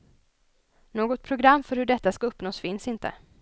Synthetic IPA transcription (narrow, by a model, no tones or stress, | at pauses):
noːɡɔt̪̚pʰɾʊɡɾamːfœɾhɵɖɛt̪ːaskaɵpːnoːsfɪnsɪnt̪ʰə̰